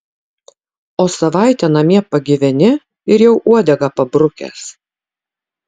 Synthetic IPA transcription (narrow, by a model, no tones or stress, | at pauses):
oːsɐʋɑˑɪt̪ʲɛnɐmʲiɛpɐɡʲɪʋʲɛnʲɪ | ɪɾjɛʊʔuɔd̪ʲɛɡɐpɐbɾʊkʲɛ̰ːs